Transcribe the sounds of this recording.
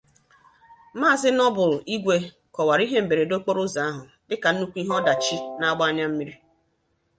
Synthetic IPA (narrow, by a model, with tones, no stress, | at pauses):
maː˦˨zɪ˦nɔ˦bʊ˨li˦ɡʷe˦ | kɔ˨wa˨ɾi˦ɦe˦m̩˨be˨ɾe˨do˦k͡po˦ɾʊ˦za˨a˦ɦʊ˨ | dɪ˦ka˨n̩˦nu˦kʷi˦ɦɔ˦da˨t͡ʃi˦na˦a˦ɡ͡ba˦a˦ɲa˦m̩˦mi˦ɾi˦